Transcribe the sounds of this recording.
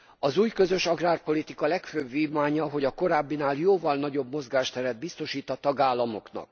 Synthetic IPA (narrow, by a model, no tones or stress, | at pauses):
ɒzuːjkø̞zø̞ʃɒɡraːrpo̞lit̪ikɒlɛkføːbviːmaːɲɒɦo̞ɟɒko̞ɾaːbːinaːljoːvɒlnɒɟo̞bmo̞zɡaːʃt̪ɛɾɛd̪̚bist̪o̞ʃiːt̪ɒt̪ɒɡaːlːɒmo̞knɒ̰k̚